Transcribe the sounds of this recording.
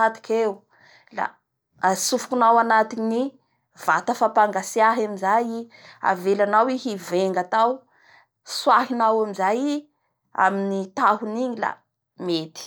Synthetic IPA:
at̪i̥kʲeu | la̰ | sufu̥kunawanat̪ini | vat̪afapaŋɡasiaɦamizaji | a̰velanawiɦiveŋɡat̪aw | swaɦinawamizaji | a̰minit̪aɦuniɲila̰ | met̪i̥

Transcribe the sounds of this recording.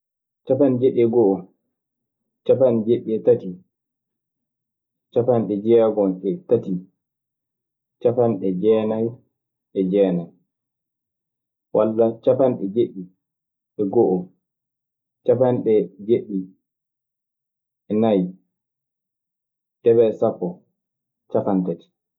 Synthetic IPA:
t͡ʃapand͡ʒɛɗɛɡɔʔɔ | t͡ʃapand͡ʒeɗːiɛtati | t͡ʃapanɗɛd͡ʒɛːɡɔnʔɛtati | t͡ʃapanɗɛd͡ʒɛːnaj | ʔɛd͡ʒɛːnan | walːat͡ʃapanɗɛd͡ʒeɗːi | ʔɛɡɔʔɔ | t͡ʃapanɗɛd͡ʒeɗːi | ɛnaj | d̥ɛbɛsapːɔ | t͡ʃafantati̥

